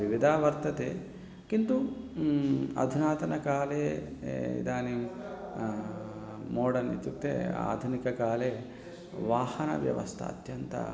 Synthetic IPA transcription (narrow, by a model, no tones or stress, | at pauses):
ʋiʋid̪ʱaːʋɐɾt̪ɐt̪ḛː | kint̪u | ɐ̰d̪ʱunaːt̪ɐnɐkaːleːḭd̪aːniːm | moːɽɐnːḭt͡ʃːukt̪ːḛːa̰ːd̪ʱunikɐkaːleː | ʋaːhɐnɐ̰ʋjɐ̰ʋɐ̰st̪ʰɐ̰ɐ̰t̪jɐnt̪ɐ̰